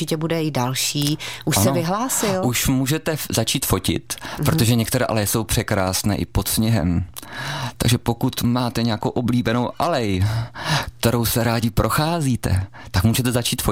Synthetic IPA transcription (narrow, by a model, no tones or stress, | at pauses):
ɪcɛbudɛɪdalʃiːʔuʃansɛovɪɦlaːsɪluʃmuːʒɛt̪ɛzat͡ʃiːt̪fo̞cɪ̰t̪pɾot̪oʒɛɲɛkt̪ɛɾɛ̰ːʔa̰lɛjɛso̞wpr̥ɛkɾaːsnɛ̰ːʔɪpo̞t̪sɲɛɦɛ̰m | t̪a̰ɡʒɛpo̞kut̪maːt̪ɛɲɛjakowʔobliːbɛno̞wʔalɛj | k̚t̪ɛɾo̞wsɛɾaːɟɪpɾʔo̞xaːziːt̪ɛ̰ | t̪akmuːʒɛt̪ɛzat͡ʃiːt̪fo